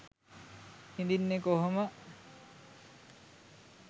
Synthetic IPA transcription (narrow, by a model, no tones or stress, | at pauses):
hind̪inːekoɦomə